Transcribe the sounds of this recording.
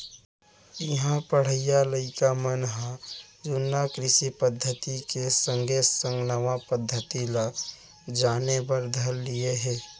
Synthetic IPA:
jɐɦãpəɽ̤əɪjaləɪkamənɦãd͡ʒʊnːakɾɪʃipəd̪ʱːət̪ikesə̃ŋɡʱesə̃ŋɡnɐʋapəd̪ʱːət̪ila | d͡ʒaːnebəɾd̪ʱɐlːieɦɛː

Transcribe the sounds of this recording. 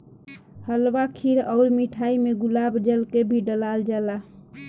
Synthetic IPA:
həlwakʰiɾɔʊɾmiʈʰaimeɡulabd͡ʒəlkebʱiɖəlald͡ʒala

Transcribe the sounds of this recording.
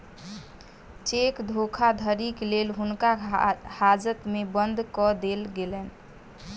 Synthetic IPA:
t͡ʃekd̪ʱokʰad̪ʱəɾiklelɦunkahad͡ʒət̪mebənd̪ʱkɔd̪elɡelɛn

